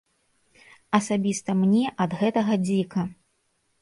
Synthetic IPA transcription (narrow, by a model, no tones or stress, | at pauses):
ɐsabʲist̪ɐmnʲɛʔɐd̪ɣɛt̪ɐɣɐd͡zʲikɐ